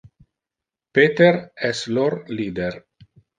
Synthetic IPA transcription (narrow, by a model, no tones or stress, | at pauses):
pet̪eɾɛsloɾliːd̪eɾ